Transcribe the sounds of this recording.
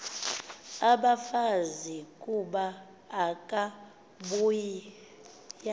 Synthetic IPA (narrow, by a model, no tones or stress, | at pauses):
aɓafazikʼuɓaː | kʼa | ɓuji | ja